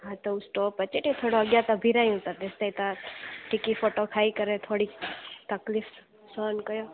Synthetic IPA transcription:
ɦat̪ousʈoːpət͡ʃeʈet̪ʰoːɽoɐɡjat̪abʱiɾaj̃ũt̪ad̪est̪ait̪aʈikifʰoːʈokʰaːikəɾet̪ʰoːɽit̪ɐklif | soːnkəjoː

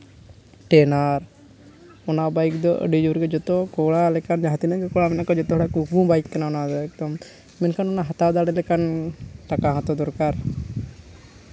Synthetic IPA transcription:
ʈɛnaɾ | ɔnabajkd̪ɔʔə̰ɖid͡ʒuɾɡɛd͡ʒɔt̪ɔkɔɽalɛkand͡ʒaɦat̪inaɡɛkɔɽamɛnakɔd͡ʒɔt̪ɔɦɔʈakubũbajkːɛnaɔnad̪ɔɛk̚d̪ɔm | mɛnkanɔnaɦat̪ad̪aɽɛlɛkanʈakaɦãt̪ɔd̪ɔɾkaɾ

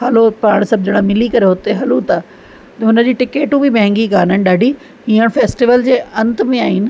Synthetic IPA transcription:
hɐlopaːɽ̃sɐb̚d͡ʑɐɽ̃amɪlikɐɾeɦʊt̪eɦɐlut̪aː | t̪ɦʊnə̆d͡ʑiːʈɪkeːʈũbɪmɛ̃ɦɛ̃ŋɡikaːnənɪ̆ɗaːɖʱiː | ɦiːəɽ̃feːsʈiʋəld͡ʑeːɐ̃nt̪̆mẽaːɦinɪ̆

